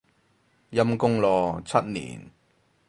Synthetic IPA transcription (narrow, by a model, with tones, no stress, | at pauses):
jɐ˧mkʊ˥ŋlɔː˨˩t͡sʰɐ˦˥t̚nḭː˨˩n